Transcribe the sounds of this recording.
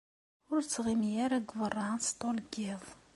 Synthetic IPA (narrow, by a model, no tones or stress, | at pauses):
ʊɾt͡sːʁimjæɾæɡvərˤːɑnst̪olɡiðˤ